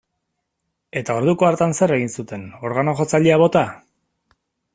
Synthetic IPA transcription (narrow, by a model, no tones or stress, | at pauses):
e̞t̪ao̞ɾð̞uko̞aɾt̪anse̞re̞ɣ̞insut̪e̞no̞ɾɣano̞ʝo̞t͡saʎeaβ̞o̞t̪a